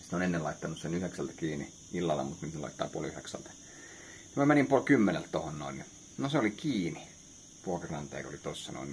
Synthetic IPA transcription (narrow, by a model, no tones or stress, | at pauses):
si̥t̪onenːelɑit̪ːɑnussenyheksælt̪æ̥kiːnḭ | ilːɑlːḛmut̪nyːt̪nelɑ̰it̪ːɑ̰ːpuolyheksæ̰lt̪æ̥ | nimæmænimpuolkymːenḛlt̪t̪ohonno̰inni | noseolikiːni | puokɑrɑnt̪ḛːko̰lit̪osːɑ̰no̰in